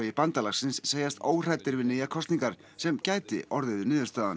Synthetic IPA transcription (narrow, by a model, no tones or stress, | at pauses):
ɪɪpant̪alaxsɪnsːeːjast̪oːwr̥at̪ːɪɾvɪnɪːjakʰɔst̪niŋkaɾ̥ | sɛmcaːjt̪ɪ̰ʔɔɾðʏðʏnɪːðʏst̪aːða̰n